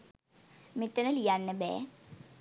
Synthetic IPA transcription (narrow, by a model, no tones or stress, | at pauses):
mit̪ːənəlijanːəbɛ̰ː